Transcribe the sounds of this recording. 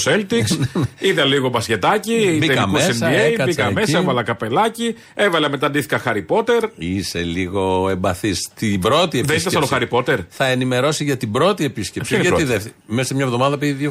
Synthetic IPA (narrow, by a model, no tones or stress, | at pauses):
selt̪isiðɐliɣobɐsce̞t̪ɐcibiekmesesniejɐbikɐmesɐevɐlɐkɐpe̞lɐci | evɐlɐmet̪ɐnd̪iθi̥kɐxɐɾipo̞t̪e̞ɾise̞liɣo̞embɐθist̪ibɾo̞t̪ieðeist̪ɐsɐnoxɐɾipo̞t̪eɾθɐenime̞ɾo̞siʝɐt̪ibɾo̞t̪ie̞piscepsiɐiðefmesimɲɐevðo̞mɐðɐpiðo